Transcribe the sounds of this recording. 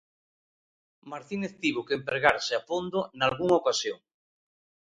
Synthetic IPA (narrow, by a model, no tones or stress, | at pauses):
maɾt̪ineθt̪iβʊkempeɾɣaɾseapond̪ʊnalɣuŋaokasjoŋ